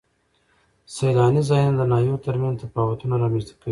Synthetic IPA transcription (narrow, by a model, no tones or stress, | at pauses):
sajlɑnizɑjnad̪anɑjowt̪aɾmanzt̪apɑwat̪unaɾɑmɛst̪ḁkawi